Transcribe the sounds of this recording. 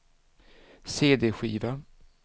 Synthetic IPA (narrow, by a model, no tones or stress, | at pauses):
seːd̪eːɧiːva